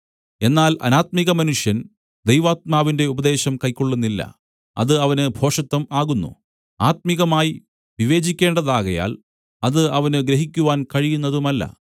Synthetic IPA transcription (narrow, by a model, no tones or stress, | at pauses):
e̞nːaːlʔɐ̰naːt̪̚miɣɐmɐnuʂjɐn | d̪ejʋaːt̪̚maːʋinde̞ubɐd̪e̞ːɕɐmkɐjkːoɭːunːilːɐ̰ | ɐ̰ðɨɐʋɐnɨbʱo̞ːʂɐt̪ːɐmaːɣunːṵ | aːt̪̚miɣɐmaːji | ʋiʋe̞ːd͡ʑikʲːe̞ːɳɖɐðaːɣɐja̰ːl | ɐðɨɐʋɐnɨɡɾɐɦikʲːuʋaːnkɐɻijunːɐðumɐlːɐ̰